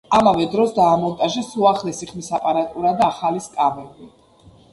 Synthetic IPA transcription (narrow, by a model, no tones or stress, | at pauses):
amavɛd̪ɾɔsd̪aːmɔlt̪ʼaʒɛsuaχlɛsiχmisapʼaɾat̪ʼuɾad̪aːχaliskʼamɛbi